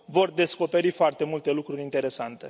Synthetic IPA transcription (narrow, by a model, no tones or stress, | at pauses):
vo̞rd̪e̞sko̞pe̞ɾifoart̪e̞mult̪e̞lukɾuɾʲint̪e̞ɾe̞sant̪e̞